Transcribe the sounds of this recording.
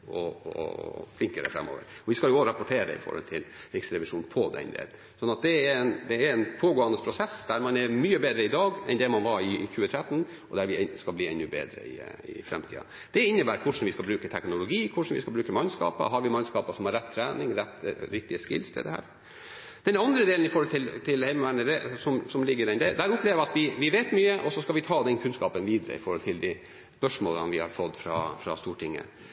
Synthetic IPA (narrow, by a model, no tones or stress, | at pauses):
ɔɔ̰flɪŋkəɾə̰fɾɛ̰mːo̰ːʋə̰ɾɔʋɪskɑljʊɔɾɑpʊʈʰeːɾə̰ɪ̰fɔ̰ɾhɔ̰lt̪ʰɪlɾɪksəɾɛʋɪʂuːnpʰɔd̪ɛ̰nd̪ḛːl | sɔnɑt̪̚d̪ɛɛɾɛnd̪ɛːɾɛnpʰoːɡoːɑnəspʰɾʊsɛsd̪æɾmɑnɛɾmyːəbeːd̪ɾəɪd̪ɑːɡɛnd̪ɛmɑnʋɑɾɪçʉːət̪ʰɾɛt̪ːn | ɔd̪æɾʋɪskɑlbliːɛnːʉːbḛːd̪ɾə̰ɪ̰ɪ̰fɾɛ̰mt̪ʰḭːɑ̰ | d̪̥ɛɪnːəbæːɾkʰʊʂn̩ʋɪskɑbɾʉːkət̪ʰɛknʊlʊɡiːkʰʊʂn̩ʋɪ̰skɑlbɾʉːkəmɑnskɑ̰ːpə̰ɦɑɾʋɪmɑnskɑːpəʂɔmhɑɾɛt̪ʰːɾæːnɪŋɾɛt̪ːɾɪk̚t̪ɪəskɪ̰lst̪ʰɪ̰d̪ɛhæ̰ːɾ | d̪̥ɛnɑnd̪ɾəd̪eːln̩ɪfɔɾhɔlt̪ʰɪlt̪ʰɪlhɛɪməʋæɳəd̪ɛsɔmsɔmlɪɡːəɾɛnd̪ɛd̪æɾʊpʰleːʋɾʋɑt̪ʋɪʋɪʋeːt̪myːəʔɔsɔskɑʋɪt̪ʰɑːd̪ɛnkʰʉnskɑːpənʋiːd̪əɾə̰ɪfɔɾhɔlt̪ʰɪld̪i | spœʂmo̰ːlə̰nʋɪhɑ̰ɾfɔt̪ːfɾɑ̰fɾɑ̰st̪uːʈʰɪŋːə̰